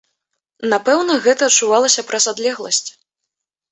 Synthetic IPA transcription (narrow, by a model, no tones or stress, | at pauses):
napɛwnɐɣɛt̪ɐːtt͡ʂːuvalˠɐsʲɐpɾʔɐzad̪lʲɛɣlˠɐsʲt͡sʲ